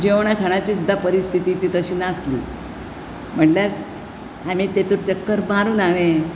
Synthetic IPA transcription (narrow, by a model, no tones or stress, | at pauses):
d͡ʑeʋɳ̃akʰaɽ̃at͡ɕiːsud̪ʱːapəɾist̪ʰit̪iːt̪iːt̪əɕiːnaslḭː | m̤əɳljaɾ | amiːt̪et̪uɾt͡ɕəkːəɾbaɾuːnaʋe